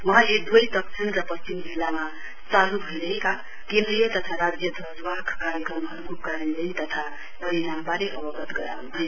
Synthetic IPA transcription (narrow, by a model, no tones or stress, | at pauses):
mʌɦaled̪ojt̪ʌksʰinɾʌpʌst͡ʃimd͡zilːama | t͡salubʱojɾʌeka | kẽnd̪ɾijʌt̪ʌt̪ʰaɾad͡zjʌt̪ʰʌd͡zwakʰkaɾjekɾʌmɦʌɾukokaɾʌnlent̪ʌt̪ʰa | pʌɾinambaɾeʔʌbʌɡʌt̪ɡʌɾa̰nɦʰʌ